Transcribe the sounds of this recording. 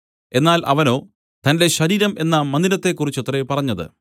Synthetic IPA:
e̞nːaːlʔɐ̰ʋɐno̞ː | t̪ɐnde̞ɕɐɾiːɾɐme̞nːɐmɐnd̪ilɐt̪ːe̞kːurit͡ɕːot̪repɐrɐɲːɐðɨ̰

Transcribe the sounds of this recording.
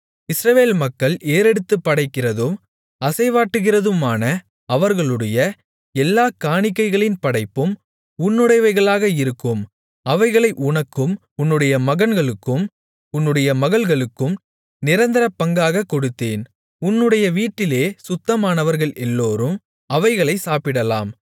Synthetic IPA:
ɪsɾɐʋeːlmɐkːɐɭeːɾɛɽɯt̪ːɯpːɐɽɐɪkːɪrɐðɯm | ɐsɐɪʋaːʈːɯɣɪrɐðɯmaːnɐ | ɐʋɐɾɣɐɭɯɽɐjɐ | ɛlːaːkaːɳɪkːɐɪɣɐɭɪnpɐɽɐɪpːɯm | ʊnːɯɽɐɪʋɐɪɣɐɭaːɣɐɪɾɯkːɯm | ɐʋɐɪɣɐɭɐɪʔʊɳɐkːɯm | ʊnːɯɽɐjɐmɐɣɐnɡɐɭɯkːɯm | ʊnːɯɽɐjɐmɐɣɐɭɣɐɭɯkːɯm | nɪɾɐnd̪ɪɾɐpːɐŋɡaːɣɐkːɔɽɯt̪ːeːn | ʊnːɯɽɐjɐʋiːʈːɪleːsʊt̪ːɐmaːnɐʋɐɾɣɐɭʔɛlːoːɾɯm | ɐʋɐɪɣɐɭɐɪsaːpɪɽɐla̰ːm

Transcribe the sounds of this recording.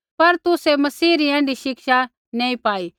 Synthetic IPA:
pɐɾt̪ʊsemɐsiːɾiɛ̃ːɳɖiʃɪkʃa | nɛ̃ːĩpaːi

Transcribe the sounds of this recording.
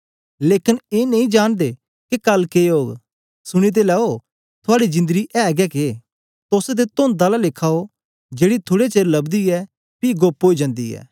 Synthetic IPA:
leːkɪneːnɐ̃ĩd͡ʒaːɽ̃d̪e | kekɐlkeːoːɡ | sʊɽ̃it̪̬elɛːo | t̪ʰʊaːɽizɪ̃nd̪əɡiʔɛːɡɛːke | t̪oset̪̬et̪ond̪aːlalekʰaːo | d͡ʒeːɽit̪ʰoːɽet͡ʃeːɾlɐbd̪iɛ | piːɡoːpɦoːid͡ʒɐ̃ːnd̪ḭɛ̰ː

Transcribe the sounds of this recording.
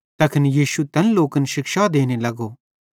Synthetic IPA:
t̪ɐkʰɪnjiːʃut̪ɐnloːkənʃɪkʃad̪eːnelɐɡo

